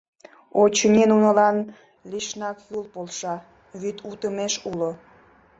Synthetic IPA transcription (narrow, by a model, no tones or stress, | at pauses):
ot͡ɕənʲenunəlɑn | lʲiʃnɑkjulpolʃɑ | βyt̪ʰut̪əmeʃulo